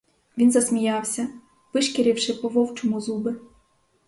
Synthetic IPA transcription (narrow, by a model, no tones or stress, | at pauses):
ʋʲinzɐsmʲijɑwsʲɐ | ʋɪʃkeɾʲiwʃɪpɔʋɔwt͡ʃɔmʊzubɪ